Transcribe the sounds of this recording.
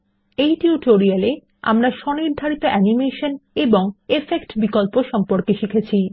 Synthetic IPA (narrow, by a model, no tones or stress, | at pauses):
ejʈiuʈoɾiale | a̰mɾaʃɔniɾd̪ʱaɾit̪oʔɛnimeʃoneboŋefekʈbikolpoʃɔmpoɾkeʃikʰet͡ɕʰi